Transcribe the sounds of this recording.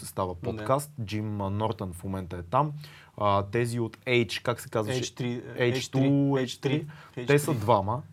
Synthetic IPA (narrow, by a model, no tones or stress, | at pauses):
sɛst̪avəp̪ot̪kast̪d͡ʒimnɔɾt̪ənfmomɛnt̪əɛt̪am | ət̪ɛziot̪ɛjt͡ʃkaksɛ̥kazvəʃɛɾɛjt͡ʃt̪uɛt͡ʃt̪ɾit̪ɛsəd̪vamə